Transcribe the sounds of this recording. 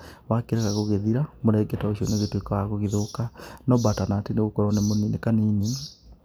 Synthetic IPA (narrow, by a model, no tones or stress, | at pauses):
wakeɾɛɣaɣoɣeðiɾamoɾɛɡɛtaoʃio̰neɣetwekawaɣoɣeðokanɔbatanaːteneɣokɔɾɔnemoninekaniːni